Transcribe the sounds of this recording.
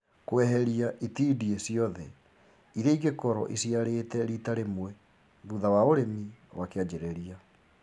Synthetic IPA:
kwɛɦɛɾiaʔitiːdiesiɔðɛ | iɾeiɡekɔɾɔ̰ʔisjaɾeːtɛɾitaɾemwɛ | βuðawaoɾemiwakead͡ʑɛɾɛɾia

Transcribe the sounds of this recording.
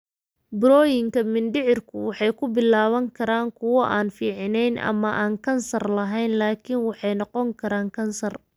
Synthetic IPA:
bɾɔːjɪŋkʰɐmɪnɖɪʕɪrkʰʊwɑħɑjkʰʊbɪlaːβɐŋkʰɐɾaːŋkʰʊwɔʔaːnfiːʕɪnɛjnʔɐ̰mɐʔaːŋkʰɐnsɐrlɐɦɛjnlaːkʰinwɑħɑjnɔqɔŋkʰɐɾaːŋkʰɐnsɐr

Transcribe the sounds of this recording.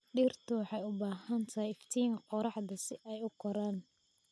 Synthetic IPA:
ɖiːrt̪ʰʊwɑħɑjʊbaːhɐnt̪ʰɐhɛjɪft̪ʰiːŋkʰqɔɾɑħd̪ɐsɪʔɛjʊkʰɔɾaːn

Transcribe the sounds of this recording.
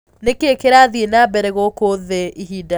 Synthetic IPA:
nekeːkeɾaːðienabɛɾɛɣokoðɛiɦiːda

